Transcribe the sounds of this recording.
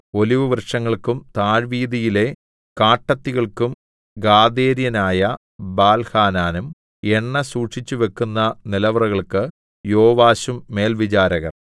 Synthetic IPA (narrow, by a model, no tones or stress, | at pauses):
o̞liʋuʋrʂɐŋːɐɭkumt̪aːɻʋiːðijile̞ | kaːʈːɐt̪ːiɣɐɭkum | ɡaːd̪e̞ːɾjɐnaːjɐ | baːlhaːnaːnum | eɳːɐsuːʈʂit͡ɕːuʋe̞kːunːɐnilɐʋɐrɐɣɐɭkɨ | joːʋaːɕumːe̞ːlʋit͡ɕaːɾɐɣɐ̰r